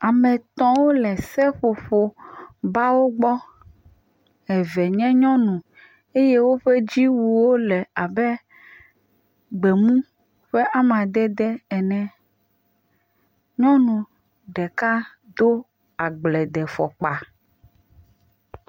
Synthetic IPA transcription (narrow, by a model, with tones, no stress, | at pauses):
a˨mɛ̃˨t̪ɔ̃˦wo˦lɛ˨sɛ˦ɸo˨ɸo˨ba˦wo˦ɡ͡bɔ˦ | ɛ˨vɛ˨ɲɛ̃˦ɲɔ̃˦nũ˨ | e˦je˦wo˦ɸe˦d͡ʑi˦wu˨wo˦lɛ˨a˨bɛ˦ | ɡ͡be˨mũ˦ | ɸe˦ʔa˦m˨a˨d̪ɛ˦d̪ɛ˦ɛ˨nɛ̃˨ | ɲɔ̃˦nũ˨ | ɖɛ˨ka˦ | d̪o˦ | a˨ɡ͡blɛ˨d̪ɛ˨fɔ˨k͡pa˨